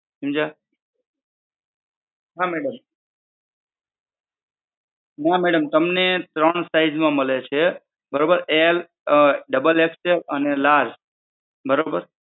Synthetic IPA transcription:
ɦimd͡ʒa | ɦãmeɽəm | nãmeɽəmt̪əmnet̪ɾəɳsaɪd͡ʒmãməlet͡ʃʰe | bəɾobəɾel | ɖəbəleksepənelaɾd͡ʒ | bəɾobəɾ

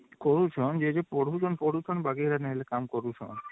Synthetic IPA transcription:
koɾut͡ʃʰond͡ʑed͡ʑepoɽud͡ʒonpoɽɾut͡ʃʰonbaɡiɾaneɦelekamkoɾut͡ʃʰɔ̰n

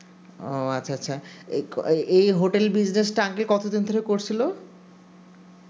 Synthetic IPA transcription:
o̰atːɕʰaatːɕʰa | ʔejɦoʈelbid͡ʑnesʈaŋkelkɔt̪od̪ind̪ʱoɾekoɾt͡ɕʰilo

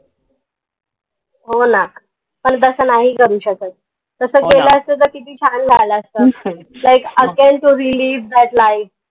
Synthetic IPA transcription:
ɦona | pəɳt̪əsəːnaɦiːkəɾuːɕəkət̪̚ | t̪əsəːkeləəst̪əːt̪̬əɾkit̪iːt͡ɕʰanɡʱaləəst̪əː | lajkəɡeɳʈuɾiliːʋd̪aʈlaif

